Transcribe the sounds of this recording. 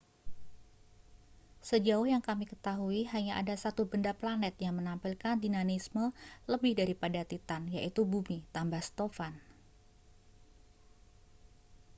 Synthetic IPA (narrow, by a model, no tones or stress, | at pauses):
səd͡ʒaʊhjaŋkamikət̪aɦuiɦaɲaʔa̰dasat̪ubəndaplanɛt̪̚jaŋmənampɪlkandinanismələbɪhdaɾipadat̪it̪anjaʔit̪ubumit̪ambahst̪ofan